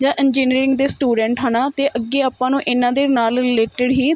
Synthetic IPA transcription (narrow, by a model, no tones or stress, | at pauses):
d͡ʒãːʔɛnd͡ʒiːnɾeːɾɪ̃ŋɡd̪eːsʈuːɖɛ̃ːɳʈɦənãːt̪eːʔəɡːeːaːpãːnũːʔɪnãːd̪eːnaːlɾɪleːʈɪɖɦiː